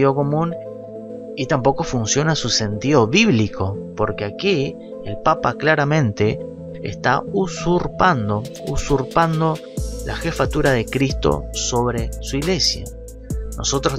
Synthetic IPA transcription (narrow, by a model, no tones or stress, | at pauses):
io̞ko̞mũn | it̪ampo̞ko̞funsjo̞nasuse̞nt̪iðo̞βiβlikʰo̞po̞ɾke̞aki | elpapaklaɾamẽ̞nt̪e̞̰ː | st̪ausuɾpand̪ousuɾpand̪o̞ | lʔa̰xe̞fat̪uɾaðe̞kɾist̪o̞̰so̞βɾe̞suiɣle̞sja̰ | no̞̰so̞t̪ɾos